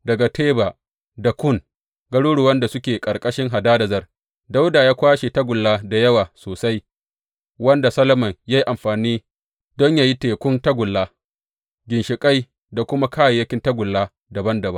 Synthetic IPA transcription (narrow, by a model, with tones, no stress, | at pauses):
dɐ˨ɡa˨tʰeː˦ba˨ | da˨kʷʊ˦˨ŋ | ɡɐ˦ɽuː˦ɽʊ˨wɐ˦nda˨sʊ˦kʲeː˨kʼɐ˨ɽkʼɐ˦ʃɪ˦ŋɦa˨daː˦dɐ˨zɐ˦r | da˦wdaː˨jaː˦kʷaː˦ʃe˨ta˦ɡʷʊ˨lːaː˦da˨jɐ˦waː˨soː˨sa˦j | wɐ˦nda˨sɐ˦lɐ˦mɐ˨ŋjaː˦ji˦ʔa˨mɸaː˨niː˦ | dɔ˦ɲjaː˦ji˦teː˨kʷʊ˦nta˦ɡʷʊ˨lːaː˦ | ɡʲɪ˨nʃɪ˨kʼa˦j | da˨kʷʊ˦ma˦kʰaː˦ja˨jɐ˦kʲɪ˦ntɐ˦ɡʷʊ˨lːaː˦ | da˨bɐ˦ndɐ˨bɐ˦ŋ